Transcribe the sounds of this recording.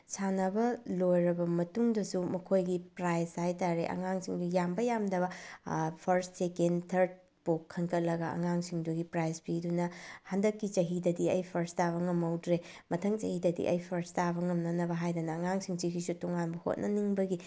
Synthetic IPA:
sanɐbɐlojɾɐbɐmɐtuŋdɐsumɐkʰojɡipɾajshajtaɾeʔɐ̰ŋaŋsiŋdujambɐjamdɐβɐpʰɐɾssekendtʰɐɾd̚ | pokʰːɐnkʰɐt̚lɐɡɐɐ̰ŋaŋsiŋduɡipɾajspidunɐhandɐkːit͡ʃɐɦidɐdiɐjpʰɐɾstaβɐŋɐmɐwdɾe | mɐtʰɐŋt͡ʃɐhidɐdḭʔɐ̰jpʰɐɾstabɐŋɐmnɐnɐbɐɦajdɐnɐːŋaŋsiŋt͡ʃikʰisutoŋanbɐho̰t̚nʔɐ̰niŋbɐɡi

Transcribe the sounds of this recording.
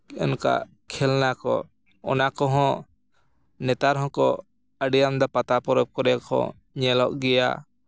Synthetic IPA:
ɔnka̰ʔ | kʰɛlnakɔ̰ | ɔ̰nakɔɦɔ̃ | nɛt̪aɾɦɔ̃kɔ | əɖijamd̪apat̪apɔɾɔb̚kɔɾɛkʰɔ̰ | ɲɛlɔʔɡɛja̰

